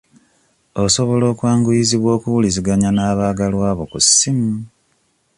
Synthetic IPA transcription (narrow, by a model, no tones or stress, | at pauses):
oso̞βo̞lo̞ːkwaːŋɡujiziβwo̞ːkuwuliziɡaɲanaːβaːɡalwaːβo̞kusːimu